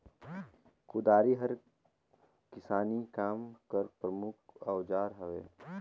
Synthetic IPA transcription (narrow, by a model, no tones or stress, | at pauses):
kʊd̪aːɾiɦɐɾ | kɪsaːnikaːmkəɾpɾəmʊk̚ʰawd͡ʒaːɾɦɐʋḛː